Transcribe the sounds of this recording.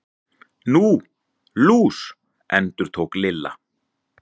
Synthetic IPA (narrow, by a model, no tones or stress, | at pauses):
nu | luːs | ɛnt̪ʏɾ̥t̪ʰoːwklɪlːa̰